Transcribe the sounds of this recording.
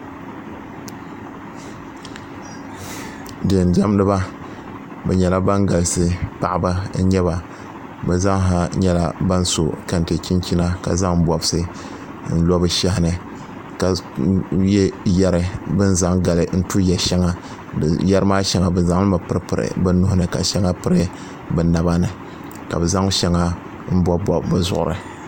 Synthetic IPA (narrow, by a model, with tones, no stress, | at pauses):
dɨ˨n˨da˦m˦nɨ˦ba˦ | bɛ̰˨ɲɛ˨la˦ba˦ŋɡa˨lsɨ˦pa˨ʔɪ˨ba˦ɲɛ˦βa˨ | bɛ˨za˦ŋɦa˦ɲɛ˦la̰˦ba˦n˦so̰˨ka˨n˨te˨t͡ʃi˦nt͡ʃi˦na˦ka̰˨za˦ŋ̩˦˨bɔ˨bɨ˦sɨ˦ | n̩˦lɔ˦bɨ˦ʃɛ˦hɪ˦nɨ˨ | ka˨ | jɛ˦jɛ˦ɾɨ˨bɨ˦nza˦ŋɡa˨lɨ˨n̩˦tu˦jɛ˨ʃɛ˦ŋa˨ | jɛ˦ɾɨ˦maː˦ʃɛ˦ŋa˨bɨ˨nza˨ŋlɨ˦ma˨pɨ˦ɾɨ˦pɨ˨ɾɨ̰˨bɨ˦nʊ˦hʊ˦nɨ˨ka̰˨ʃɛ˦ŋa˦pɨ˦ɾɨ˦ | bɛ˨na˨ba˦nɨ˨ | ka̰˨bɛ˨za˦ŋ˦ʃɛ˦ŋa˦ | m̩˦bɔ˦bɔ˨bbɨ˦zʊ̰˨ʔʊ̰˨ɾɨ̰˨